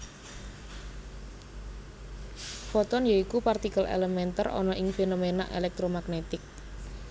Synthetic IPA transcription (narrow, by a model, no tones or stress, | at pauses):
fɔt̪ɔnjaikupart̪ikəlḛlemɛnt̪ərʔɔ̰nɔʔɪŋfenomena̰ʔḛlɛk̚t̪ɾomaɡnet̪ɪk̚